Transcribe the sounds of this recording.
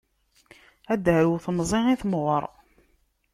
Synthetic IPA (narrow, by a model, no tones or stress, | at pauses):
æd̪əɾuwθmzˤeiθmʁəɾˤ